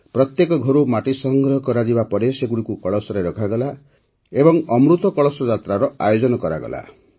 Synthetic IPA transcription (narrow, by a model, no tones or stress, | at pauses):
pɾɔt̪jekɔɡʱɔɾumaʈisɔŋɡɾɔɦɔkɔɾad͡ʒibapɔɾeseɡuɽikukɔɭɔsɔɾeɾɔkʰaɡɔla | ebɔŋɔmɾut̪ɔkɔɭɔsɔd͡ʒat̪ɾaɾɔajod͡ʒɔnɔkɔɾaɡɔ̰lʔa̰